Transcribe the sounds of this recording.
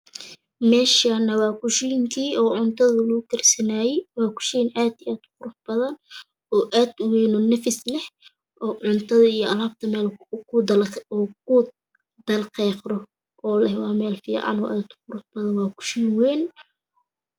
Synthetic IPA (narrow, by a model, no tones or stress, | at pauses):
mɛːʃanɐwɑːkʊʃijɪŋkʰiːʔɔːʕʊnt̪ʰɐðʊlʊɡʊkʰɐrsɐnaːjɛjwɑːkʰʊ̥ʃinʔaːd̪aːd̪qʊɾʊfbɐðɐn | ɔːʔaːd̪ʊwɛːnɔnɐfɪslɛh | ʔɔːʕʊnt̪ʰɐðɐijɔɐlaːb̚t̪ʰɐmɛːlkʰʊːkʰʊ | d̪̥ɐlqɛːqɾɔ | ʔɔːlɛhwɑːmɛːlfḭːʕɑ̰nɔːʔaːd̪ʊqʊɾʊfbɐðɐnwɑːkʰʊ̥ʃijnwɛn